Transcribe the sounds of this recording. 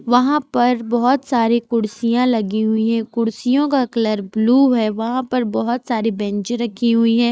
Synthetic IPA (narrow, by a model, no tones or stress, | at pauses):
ʋɐɦãpɐɾbɔɦɔt̪saːɾikʊɽsijãlɐɡiɦʊiɦɛ̃kʊɽsijõkakɐləɾbluːɦɛːʋɐɦãpɐɾbɔɦɔt̪saːɾibɛ̃nt͡ʃɾɐkʰiɦʊiɦɛ̃ː